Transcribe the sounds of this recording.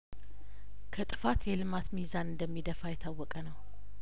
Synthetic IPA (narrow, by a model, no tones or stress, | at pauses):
kʰət̪ʼɨfat̪jɛlɨmat̪mizanɨnd̪əmːid̪əfajɛt̪ʰawːɔkʼənəw